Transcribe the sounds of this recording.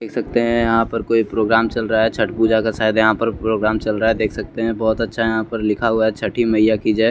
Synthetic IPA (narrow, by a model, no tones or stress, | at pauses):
d̪eːkʰsɐk̚t̪eɦɛ̃jɐɦãpɐɾkoːipɾoːɡɾaːmt͡ʃɐlɾaaɦɛt͡ʃʰɐʈbud͡ʒakasaːjɪd̪jɐɦãpɐɾpɾoːɡɾaːmt͡ʃɐlɾaːɦɛd̪eːkʰsɐk̚t̪eɦɛ̃bɔːt̪ɐtːʃʰajɐɦãpɐɾlɪkʰaɦʊaɦɛt͡ʃʰɐʈʰimɐjakid͡ʒaː